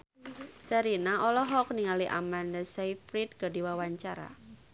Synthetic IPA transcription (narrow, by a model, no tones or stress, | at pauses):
səɾinaɔlɔɦɔk̚niŋaliʔa̰mandasajfɾit̪̚kədiwawaɲt͡ʃaɾa̰